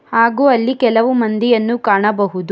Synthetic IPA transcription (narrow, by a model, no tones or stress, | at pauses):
haːɡuːɐlːikɛlɐʋumɐnd̪ijɐnːukaːɳɐbɐɦud̪u